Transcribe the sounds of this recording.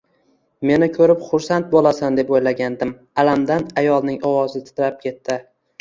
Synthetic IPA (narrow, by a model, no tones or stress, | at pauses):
me̞nɪkʰɵɾɪpχʊɾsant̪̚bolasand̪e̞pojlaɡʲand̪ɪm | alamd̪anajɒlˠnɪŋɒwɒzɪt̪ʰɪ̥t̪ɾap̚kʲʰe̞t̪ːɪ